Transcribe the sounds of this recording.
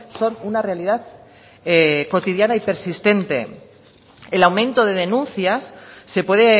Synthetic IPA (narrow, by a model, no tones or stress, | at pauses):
so̞nunarealiðað | eko̞t̪iðjanaipe̞ɾsist̪e̞nt̪e̞̰ | elawmẽ̞nt̪o̞ðe̞ð̞e̞nũnθjasːe̞pwe̞ðe